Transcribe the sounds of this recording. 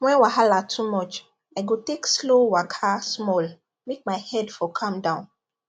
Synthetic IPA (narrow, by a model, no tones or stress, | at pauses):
wɛ̃nwaɦalatʰumɔt͡ʃ | aɪɡotekslowakʰasmɔl | mek̚maɪhɛdfɔkʰɔ̃mdãʊ̃n